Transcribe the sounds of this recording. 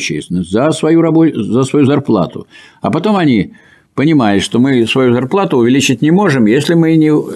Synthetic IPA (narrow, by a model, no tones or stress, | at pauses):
t͡ɕːḛjsʲɪnəsʲtʲzəsvɐjuɾɐbozəsvɐjuzɐrplˠa̰t̪ʊ̰ | ɐpɐt̪o̞mɐnʲi | pənʲɪmajɪt̪ʂt̪o̞mɨsvɐjuzɐrplˠat̪ʊʊvʲɪlʲit͡ɕɪt̚ʲnʲɪmo̞ʐɨmjesʲlʲɪmɨnʲɪ